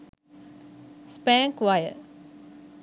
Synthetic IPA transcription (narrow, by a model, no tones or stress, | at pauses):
spæːŋkʋajə̰